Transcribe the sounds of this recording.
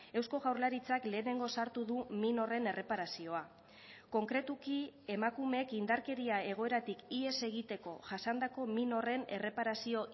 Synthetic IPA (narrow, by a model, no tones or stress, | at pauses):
e̞wsko̞ɣawɾlaɾit͡sakle̞ːne̞ŋɡo̞saɾt̪uðumino̞re̞ne̞re̞paɾasio̞a | ko̞ŋkɾe̞t̪ukie̞makumekind̪aɾke̞ɾiae̞ɣ̞o̞e̞ɾat̪ikie̞se̞ɣ̞it̪e̞ko̞ʝasand̪ako̞mino̞re̞ne̞̰re̞paɾasio̞